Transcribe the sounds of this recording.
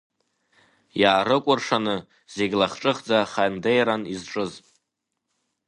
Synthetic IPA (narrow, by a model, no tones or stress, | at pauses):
jaːɾɨkʷʼʊrʂanɨ | z̥e̞ɡʲlaχʈ͡ʂʼɨχd͡zaχajndejɾanizʈ͡ʂʼɨzʼ